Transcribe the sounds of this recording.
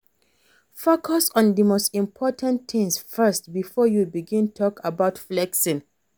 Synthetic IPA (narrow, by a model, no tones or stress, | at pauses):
fokʰɔsɔ̃ndəmostĩmpʰɔtʰãnt̪ɪ̃ŋsfɜst̚bifɔjubiɡĩntʰɔkabaʊtflɛksĩn